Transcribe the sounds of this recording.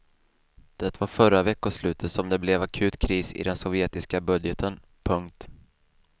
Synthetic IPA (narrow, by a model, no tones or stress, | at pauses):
d̪̥ɛt̪vaɾfœɾavɛkːʊslʉ̟ːt̪ʰəsɔmd̪ɛblɛvakʰʉ̟ːt̪kʰɾiːsɪ̰d̪ɛnsɔvjɛːt̪ɪskabɵd̪jət̪ʰən | pʰɵŋkt̪